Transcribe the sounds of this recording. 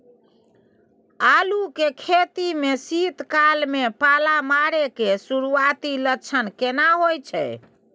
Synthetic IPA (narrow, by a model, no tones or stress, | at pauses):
alukekʰet̪imesit̪kalmepalamaɾekesuɾuat̪ilət͡ʃʰənkenaɦojt͡ʃʰɛ̰j